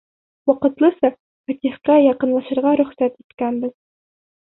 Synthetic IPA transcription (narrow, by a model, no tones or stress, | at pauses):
wɒqɤ̆t̪lˠɤsɑ | fæt̪iχqæjɑqɤ̆nlˠɑʃɤ̆ɾʁɑɾɵ̆χsæt̪it̪kænbɘz̥